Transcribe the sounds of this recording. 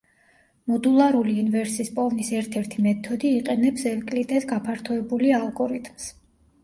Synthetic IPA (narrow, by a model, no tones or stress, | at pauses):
mɔd̪ulˠaɾuliːnvɛɾsispʼɔvnisɛɾt̪ʰɛɾt̪ʰimɛt̪ʰɔd̪iːqʼɛnɛpsɛlkʼlit̪ʼɛt̪ɡapʰaɾt̪ʰɔɛbulialˠɡɔɾit̪ʰms